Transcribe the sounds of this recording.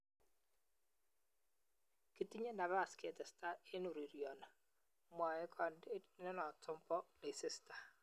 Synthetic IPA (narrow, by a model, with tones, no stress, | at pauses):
ki˦ti˦ɲe˦na˨βa˦˨ske˨tɛ˨sta˦e˦nu˨ɾi˨ɾjɔ˨na˨ | mwa˨ɛ˦kʰɔ˨nde˦nɛ˦nɔ˨tʰɔ˦mpɔ˦le˨sɪ˦sta˨